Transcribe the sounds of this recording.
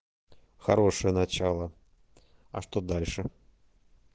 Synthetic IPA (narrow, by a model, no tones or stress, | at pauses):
xɐɾoʂɨjənɐt͡ɕalˠə | ɐ̰ʂt̪od̪alʲʂɨ